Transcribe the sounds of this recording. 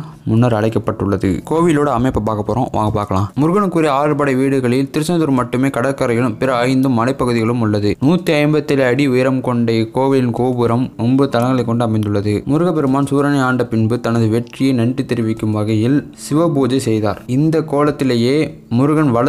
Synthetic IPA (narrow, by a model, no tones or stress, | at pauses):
mʊnːɐɾɐɭɐɪkːɐpːɐʈːɯɭːɐðɯ̰koːʋɪloːɽɐːmɐɪpːɐpaːɣɐpːoːɾõ̰ːʋã̰ːŋɡɐpːaːɾkɐɭãːmʊɾʊɣɐɳɯkːuːɾijɐaːɻɐɾpɐɽɐɪʋiːɽɯɣɐɭɪlt̪ɪɾɯsɐnðɯɾmɐʈːɯmeːkɐɽɐkːɐɾɐjɪɭɯmpɪɾɐːɪnd̪ɯmːɐlɐɪpːɐɣɯðɪɣɐɭɯmʊɭːɐðɯnuːt̪ːiɐɪmbɐt̪ːɪlɐɽiʊjɪɾɐmkɔɳɖekoːʋɪlɪnkoːbɯɾɐmɔmbɯt̪ɐnɐŋɡɐɭɐɪkːɔɳɖɯɐmɐɪnd̪ɯɭːɐðɯmʊɾɯɣɐpɛɾɯmaːnsuːɾɐnɐɪaːɳɖɐpɪnbɯt̪ɐnɐðɯʋɛʈrɪjɐnɐɳɖit̪ːɛɾɯʋɪkːɯmʋɐɣɐjɪlsɪʋɐboːd͡ʒɐsɛjðaːɾɪnd̪ɐkoːlɐt̪ːɪleːjeː | mʊɾɯɣɐnʋɐɭɐ